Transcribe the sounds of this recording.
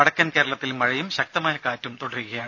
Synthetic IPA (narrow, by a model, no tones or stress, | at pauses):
ɐɽɐkʲːɐnke̞ːɾɐɭɐt̪ːilmɐɻɐjumɕɐk̚t̪ɐmaːjɐkaːtːumt̪oɽɐrukːɐjaːɳ